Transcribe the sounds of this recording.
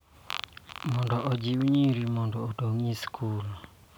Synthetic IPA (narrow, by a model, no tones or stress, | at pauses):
mɔndɔʔɔd͡ʒiwɲiɾimɔndɔːtoŋiskʰul